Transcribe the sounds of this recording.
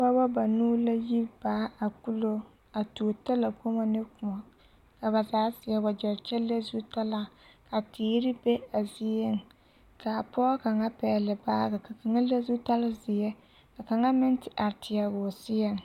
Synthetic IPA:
ba˦ba˦ba˨nuː˦la˦ji˦b̥aː˨˦a˨ku˦lo˦ | a˨to˨ta˦la˨ko˦ma˦nɪ˦kʊ˨ma˨ | ka˨ba˨zaː˨˦sɪ˨jɛ˦ba˨d͡ʒɛ˨ɾt͡ʃɛ˦le˦zu˦ta˦la˦ka˨tiː˨˦ɾɪ˦be˦a˨zi˦e˦ŋ | ka˨pɔː˦ka˨ŋa˦pɛː˨lɪ˨baː˦ka˨ka˨ka˨ŋa˦le˦zu˦ta˦la˦zɪ˨jɛ˦ | ka˨ka˨ŋa˦mɪ˦ntɪ˨ʔa˨ɾtɪ˨ja˨ɡʊ˨sɪ˦jɛ˦˨ŋ

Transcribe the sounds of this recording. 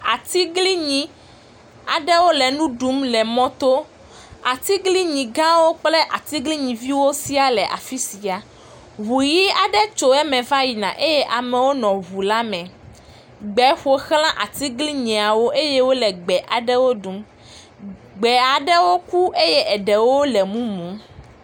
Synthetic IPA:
a˨t̪i˦ɡli˦ɲĩ˨ | a˨ɖɛ˦wo˦lɛ˨nũ˦ɖu˦mlɛ˨mɔ̃˦t̪o˦ | a˨t̪i˦ɡli˦ɲĩ˨ɡã˦wo˦k͡ple˦ʔa˨t̪i˦ɡli˦ɲĩ˨vi˦wo˦si˦a˨lɛ˨ʔa̰˨fi˦si˨a˨ | βu˨ji˦a˨ɖɛ˦t͡ʃo˨ɛ˦mɛ̃˨va˦ji˨nã˨ʔe˦jɛ˦ʔa˨mɛ̃˨wo˦nɔ̃˨βu˨la˦mɛ̃˨ | ɡ͡bɛ˨˦ɸo˦xl̃ã˦ʔa˨t̪i˦ɡli˦ɲĩ˨a˨wo˦ʔe˦je˦wo˦lɛ˨ɡ͡bɛ˨ʔa˨ɖɛ˦wo˦ɖu˨˦m | ɡ͡bɛ˨a˨ɖɛ˦wo˦ku˦ʔe˦jɛ˦ʔɛ˨ɖɛ˨wo˦lɛ˨mũ˦mũ˨˦m

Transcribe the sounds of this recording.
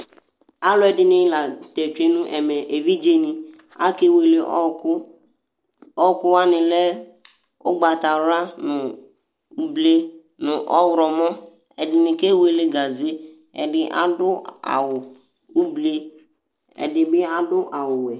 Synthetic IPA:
a˦lʊ˦ɛ˨dɪ˨nɪ̃˦la˨tɛ˨t͡ʃe˦nʊ̃˦ʔɛ˨mɛ˨ʔe˨vi˦d͡ʒe˦nɪ˨ | a˦ke˦we˨le˨˦ | ɔ˦kʊ˦wa˦nɪ̃˨lɛ˦ | ʊ˦ɡ͡ba˨ta˨ɾa˦nʊ˨ | u˦ble˦ | nʊ˨ʔɔ˦wɾɔ˨mɔ˦ | ɛ˨dɪ˨nɪ˨ke˦we˦le˦ɡa˨ze˦ | ɛ̰˨dɪ˦ʔa̰˦dʊ˦a̰˨wʊ˨ | u˦ble˦ | ɛ̰˨dɪ˨bɪ˦a˦dʊ˦ʔa˨wʊ˨wɛ˨

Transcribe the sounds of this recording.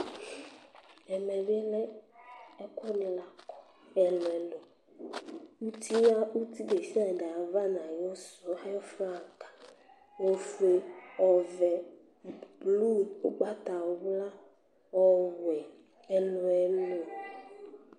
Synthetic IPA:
ɛ˨mɛ̃˨ɖi˦ɛ˦lɛ˦ | ɛ˦kɔ˦nĩ˨la˨kɔ˨ | ɛ˨lɔ˨ɛ˨lɔ˨ | wu˦t̪ʰi˦ja˦u˦t̪i˦be˨si˦a˨ɖɛ˨a˨va˦nã˨jɔ˦sɔ˦a˦jɔ˦fe˦a˨kḁ˨ | wo˦fe˨ɔ˨vɛ˨ | blu˦o˦ɡ͡ba˦t̪a˨˦wla˦ | wɔ˨wɛ˨ | ɛ˨lõ˨ɛ˨lo˨

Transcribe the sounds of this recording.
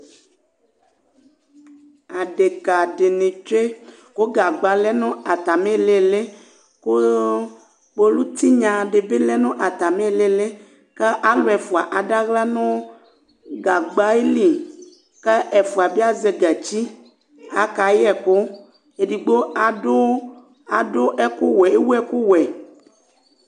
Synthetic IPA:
a˨ɖe˨ka˨ɖe˨nẽ˨t͡ʃe˦ | ko˦ɡa˨ɡ͡ba˨lɛ˦nõ˦a˨t̪a˨me˦˨le˦˨le˦ | ko˦ | k͡po˦lu˦t̪i˦ɲã˨ɖe˨be˦lɛ˦nõ˦ʔa˨t̪a˨me˦˨le˦le˦ | ke˦ʔa˦lo˨ɛ˨fu˨a˨ʔa˨ɖa˦ɣla˦nɔ̃˦ | ɡa˨ɡ͡ba˨˦e˦li˨ | ke˦ʔɛ˨fu˨a˨be˦a˦ze˨ɡɛ˨t͡ɕi˦ | a̰˨ka˨jɛ˨ko˦ | e˨di˨ɡ͡bo˦a˨ɖo˦ | a˨do˦ʔɛ˦ko˦wɛ˨e˦wu˦ɛ˦ku˦wɛ˨

